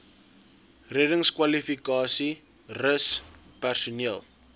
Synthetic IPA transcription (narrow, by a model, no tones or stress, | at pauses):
rɛdəŋskwɐlifikɑːsi | rəs | pærsuniəlˠ